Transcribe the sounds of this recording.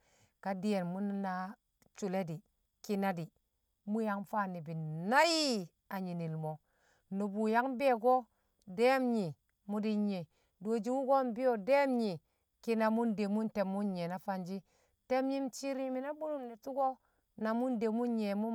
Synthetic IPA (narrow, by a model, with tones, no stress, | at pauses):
ka˨di˦je˨nmu˦n˦na˦ | t͡ʃu˨le˦di˨ | ki˦na˦di˨ | mu˦ja˦ŋfa˦˨ni˨bi˨na˦ji˦ | a˨ɲi˨ni˨lmo˨ | nu˨bu˨ja˦ŋ˦be˦˨ɡo˦ | de˦mɲi˨ | mu˦di˦ɲe˨ | do˨d͡ʒi˦wu˦ɡo˦n˨bi˦jo˨de˦mɲi˨ | ki˦na˨mu˦nde˨mu˦nte˨mːu˦nɲe˨na˨˦fa˦nd͡ʒi˦ | te˦mɲi˦m˦t͡ʃi˦ɾi˦mi˨na˦bu˦nu˦mni˨tu˦ɡo˦ | na˨mu˦nde˨mu˦nɲe˨mu˦